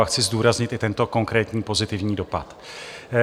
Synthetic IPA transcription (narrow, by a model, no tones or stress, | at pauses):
axt͡sɪzduːɾazɲɪt̪ɪt̪ɛnt̪o̞ko̞ŋkɾɛːt̪ɲiːpo̞zɪt̪ɪvɲiːdo̞pat̪